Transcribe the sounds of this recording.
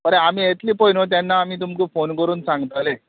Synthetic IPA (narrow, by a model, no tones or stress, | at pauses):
pəɾeam̤iːet̪liːpojnot̪̬anːaːm̤iːt̪̬umkiːfonkəɾuːnsãŋɡt̪ale